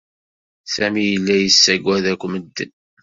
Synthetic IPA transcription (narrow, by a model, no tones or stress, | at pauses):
sæmijəlːæjəsːæɡwæðækʷːməd̪ːən